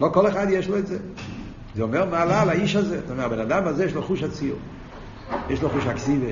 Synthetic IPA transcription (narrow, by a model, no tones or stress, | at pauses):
lokɔlˠɛχad̪jeʃlˠoɛze | zeɔmɛɾmalˠalˠaiʃazetomɛɾbɛnadamazejeːʃloχuʃat͡siṵ | jeʃlˠoχuʃaksivə